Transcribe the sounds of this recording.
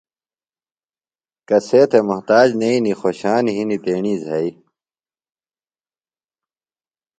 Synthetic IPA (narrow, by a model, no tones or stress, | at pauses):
kɐseːt̪ʰemʊɦt̪aːd͡ʑneinixoːɕaːniɦinit̪eːɳiːzɐi